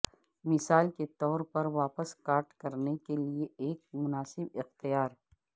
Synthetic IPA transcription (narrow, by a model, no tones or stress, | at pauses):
mɪsaːlket̪ɔːɾpɐɾʋaːpəskaːɾʈkɐɾnekelieeːk̚mʊnaːsɪbɪxt̪ijaːɾ